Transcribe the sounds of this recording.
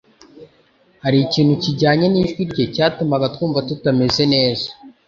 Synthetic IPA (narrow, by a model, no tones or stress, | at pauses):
haɾiciːnhuciɟaːɲeniːʒɡwiɾɟe̞caːtumaɡatkuːɱvatutame̞ze̞ne̞ːza